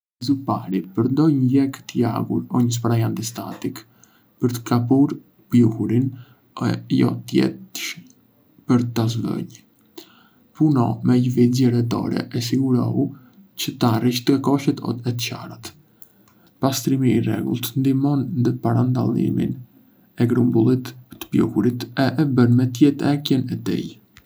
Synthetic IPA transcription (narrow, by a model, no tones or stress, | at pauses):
zupaɾipəɾnd̪ɔjɲəjɛkt̪əja̰ɡuɾɔɲəs̬paɾajand̪ist̪a̰t̪ik | pəɾt̪ə̥kʰapuɾ | pjuhuɾin | ɛ̰jɔ̰t̪jɛ̰t̪ʃ | pəɾt̪azvə̰ɲ | punɔ̰mɛjəvizɛɾɛt̪ɔ̰ɾɛ̰ʔɛs̬iɡuɾɔ̰u | cət̪ariʃt̪əkɔʃət̪ɔ̰ɛt̪ca̰ɾat̪ | past̪ɾimiːrɛ̰ɡṵlˠt̪nd̪imɔnnd̪əpaɾand̪a̰lˠḭmḭn | ɛɡɾumbulˠit̪ət̪ə̥pjṵhuɾit̪ɛʔɛbənmɛt̪̬jɛt̪ɛkjɛnɛt̪ḭj